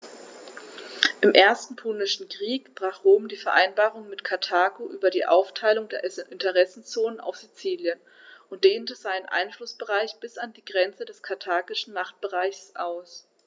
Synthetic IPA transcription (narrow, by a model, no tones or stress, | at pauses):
ʔɪmʔeːɐstn̩pʰʊnɪʃn̩kʁ̥iːkb̥ʁaːχʁoːmdiːfɛɐʔa̰ɪnbaːʁʊŋmɪtkʰaɐtʰaːkoʔyːbɐdiːʔa̰ʊftʰaɪlʊŋdeːɐʔɪntəʁɛsn̩t͡soːnənʔa̰ʊfz̥it͡siːljən | ʔʊntd̥eːntəzaɪnənʔa̰ɪnflʊsb̥əʁaɪçb̥ɪsandiːɡʁɛnt͡sədɛskʰatʰaːɡɪʃn̩maχt̚b̥əʁaɪçsʔaʊs